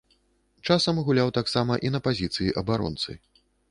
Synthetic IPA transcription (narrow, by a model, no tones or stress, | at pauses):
t͡ʂasɐmɣulʲawt̪aksamɐʔinɐpazʲit̪sɨjiʔɐbaɾɔ̰nt̪sɨ̰